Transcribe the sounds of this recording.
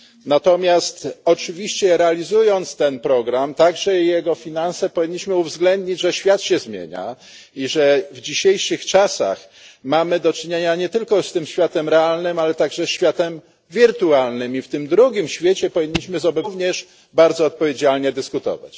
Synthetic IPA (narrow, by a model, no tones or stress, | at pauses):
nat̪ɔmʲjast̪ɔt͡ʂɘvʲiɕt͡ɕɛɾɛalʲizujɔnt̪st̪ɛnpɾɔɡɾamt̪aɡʐɛjɛɡɔfʲinansɛpɔvʲiɲːiɕmɘuvzɡlɛnd̪ɲid͡ʑʐɛɕfʲjat̪ɕɛzmʲjḛɲa̰ | iʐɛvd͡ʑiɕejʂɘxt͡ʂasa̰x | mamɘd̪ɔt͡ʂɘɲeɲaɲɛt̪ɘlkɔst̪ɘmɕfʲjat̪ɛmɾɛalnɘmalɛt̪aɡʐɛsɕfʲjat̪ɛm | vʲiɾt̪ualnɘmift̪ɘmd̪ɾuɡʲimɕfʲjet͡ɕɛpɔvʲiɲːiɕmɘzɔbɛvɲɛʂ | baɾd̪zɔːt̪̚pɔvʲed͡ʑalɲɛd̪ɘskut̪ɔ̰va̰t͡ɕ